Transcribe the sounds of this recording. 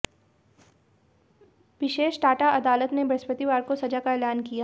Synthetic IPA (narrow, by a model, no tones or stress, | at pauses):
ʋɪʃeːʃʈaːʈaʔɐd̪aːlət̪nebɾɐspət̪iʋaːɾkosɐd͡ʒakaɛːlaːnkijaː